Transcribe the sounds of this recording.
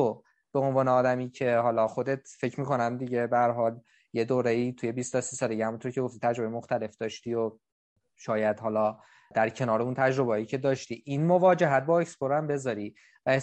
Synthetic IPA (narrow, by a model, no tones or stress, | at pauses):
o | b̥e̞o̞nvɒːneɒːd̪æmiːcʰe̞ɦɒːlɒxo̞d̪et̪ʰfe̞cʰɾmiːko̞næmd̪iɟe̞behæɾɦɒːl | je̞d̪oːɾejiːt̪ʰuje̞bist̪ʰɒsisɒːleɟehæmunt̪ʰoɾcʰe̞ɡo̞ft̪it̪ʰæd͡ʒɾoejemoxt̪æle̞fd̪ɒːʃt̪iːo | ʃɒːjæd̪̥hɒːlɒː | d̪̥æɾcʰe̞nɒːɾeunt̪ʰæd͡ʒɾo̞beɦɒːjicʰe̞d̪ɒːʃt̪iːʔinmo̞vɒːd͡ʒe̞ɦæt̪̚bɒːecsboɾæmbe̞zɒːɾi | væe